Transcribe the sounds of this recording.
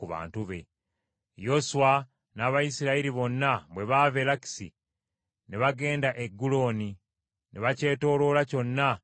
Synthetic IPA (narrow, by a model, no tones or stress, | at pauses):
kuβa̰ːntuβe̞̰ | jo̞suwa | naβajisiɾaiɾiβo̞nːaβwe̞βave̞laki̥sḭ | neβaɡe̞ːndaʔe̞ɡːulo̞ːni | nʔeβace̞ːto̞ːlo̞ːlaco̞nːa